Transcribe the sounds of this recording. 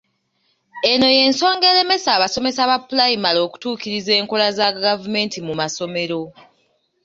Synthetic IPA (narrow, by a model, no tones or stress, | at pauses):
e̞no̞je̞ːnso̞ːŋɡe̞ɾe̞me̞saːβaso̞me̞saβapːulajimalo̞ːku̥tuːkiɾize̞ːŋko̞lazaɡavume̞ːntimumaso̞me̞ɾo̞